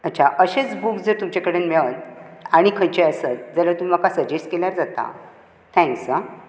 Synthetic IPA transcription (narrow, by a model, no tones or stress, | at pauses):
ətːt͡ɕʰaʔəɕet͡sbukd͡zəɾt̪umt͡ɕakəɽenmeɭət̪aɽ̃ikʰə̃nt͡ɕeəsət̪̚d͡zəlat̪ummakasəɾd͡ʑesʈ̚keljaɾd͡zat̪a̰ | t̪ʰɛ̃ŋksə